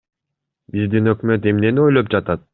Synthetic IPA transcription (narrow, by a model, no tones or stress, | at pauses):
bizd̪inø̞kmø̞t̪̬e̞mne̞nio̞jlˠop̚d͡ʒɑt̪ɑt̪̚